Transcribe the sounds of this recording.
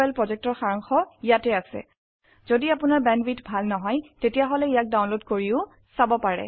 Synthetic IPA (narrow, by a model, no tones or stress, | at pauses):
ɛlpɹɔzɛk̚tɔɹxaɹɔŋxɔijatɛasɛ̰ | z̥odiapʊnaɹbɛnbitbʱalnɔɦɔjtetijaɦɔlɛijak̚dawnlotkoɹiʊ | sabɔpaɹɛ̰